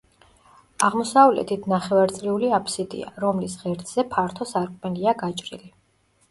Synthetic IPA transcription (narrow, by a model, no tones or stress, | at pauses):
aʁmɔsavlɛ̰t̪ʰit̪ʰnaχɛvaɾt̪sʼɾiuliapʰsid̪ḭa̰ɾɔmlisʁɛɾt̪ʰz̥ɛpʰaɾt̪ʰɔsaɾkʼmɛliaɡat͡ʃʼɾḭli